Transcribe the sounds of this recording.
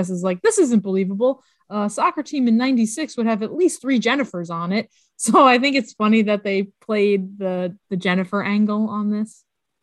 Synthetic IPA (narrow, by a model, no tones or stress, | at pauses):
ɪs̬ɨzlaɪk̚ðɪsɪzɨ̃n̩b̥əlivəbl̩ˠ | ʌsɑkɹɨtʰĩmɨ̃nːãɪ̃ntisɪkswʊɾ̚ɨvɨtˡlistθɹid͡ʒɛnɨfə˞zn̩ɪt̚ | soʊaɪθɪ̃ŋkɨtsfʌniðɨt̪̚ðeɪpʰl̥eɪd̪̚ðəðɨd͡ʒɛnɨfə˞ʔæ̃ŋɡl̩ˠə̃nðɪs